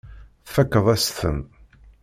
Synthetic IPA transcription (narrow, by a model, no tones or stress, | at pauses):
θfækːəðˤæsθə̰m